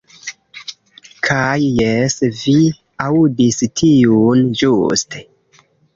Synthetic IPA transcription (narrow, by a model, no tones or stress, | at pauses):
kʰajːesvi | audistʰijund͡ʒuste